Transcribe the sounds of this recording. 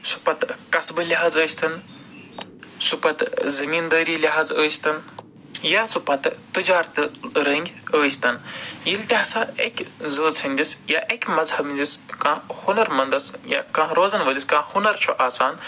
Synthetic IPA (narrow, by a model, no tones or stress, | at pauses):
su̥pɐt̪kɐsbɨliɦaːzəːsʲt̪ɐn | supɐt̪zɐmiːnd̪əːɾiːliɦaːzəːsʲt̪ɐn | jaːsupɐt̪t̪ɨd͡ʒaːɾt̪ɨɾɐŋɡʲəːsʲt̪ɐnjilt̪ʲiɦɐsaːekʲzəːsʰɐnʲd̪isjaːʔekʲmɐzhɐbnʲd̪iskãːhunɐɾmɐnd̪ɐsja̰kãːɾoːzɐnʋɐliskãːhunɐɾt͡ʃʰuʔaːsaːn